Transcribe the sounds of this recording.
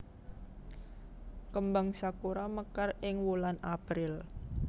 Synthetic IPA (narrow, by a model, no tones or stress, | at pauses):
kəmbaŋsakuɾaməkarɪŋwulanapɾɪl